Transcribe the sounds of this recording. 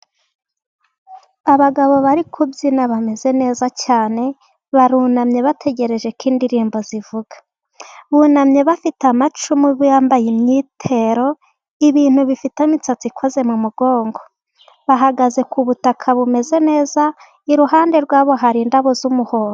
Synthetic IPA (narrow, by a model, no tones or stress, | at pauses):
aβaɡaβo̞βaɾikʰubzinaβame̞ze̞ne̞ːzacaːne̞ | βaɾunamɲe̞βatʰe̞ɟe̞ɾe̞ʒe̞kiːndiɾiːmbo̞zivuɡ̥ḁ | βunamɲe̞βafitamat͡ʃumiβujaːmbajimɲiːtʰe̞ɾo̞ | iβiːn̥huβifitamit͡sat͡sikʰoze̞mumuɡo̞ːŋɡo̞ | βaɦaɡaze̞kuβutakʰaβume̞ze̞ne̞ːza | iɾuɦaːnde̞ɾɡwaːβo̞ɦaɾiːndaβo̞zumuho̞ːɾo